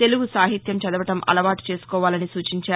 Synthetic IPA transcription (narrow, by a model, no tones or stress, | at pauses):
t̪e̞luɡusaːɦit̪jɐmt͡ʃɐd̪ɐʋɐʈɐmʔɐ̰lɐʋaːʈi̥t͡ʃe̞ːsu̥kɔːʋaːlɐnisuːt͡ʃiɲt͡ʃaː